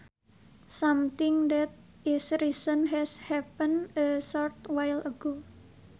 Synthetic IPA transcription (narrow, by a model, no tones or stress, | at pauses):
samt̪ɪŋd̪ɛt̪̚ | ɪsɾisənɦɛshɛpənəsɔɾt̪wajləɡo